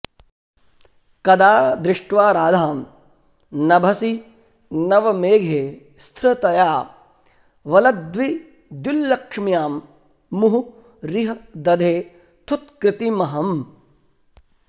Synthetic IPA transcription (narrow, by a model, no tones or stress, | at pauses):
kɐd̪aːd̪ɾɪʂʈʋaːɾaːd̪ʱaːm | nɐbʱɐsi | nɐʋɐmeːɡʱeː | st̪ʰɾɐt̪ɐjaː | ʋɐlɐd̪ʋi | d̪julːɐkʂmijaːmː | uɦu | ɾiɦɐd̪ɐd̪ʱeː | t̪ʰut̪̚kɾɪt̪imɐɦɐm